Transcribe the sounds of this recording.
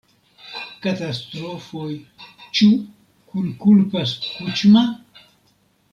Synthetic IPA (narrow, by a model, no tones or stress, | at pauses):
katast̪ɾofojt͡ʃu | kulkulpaskut͡ʃma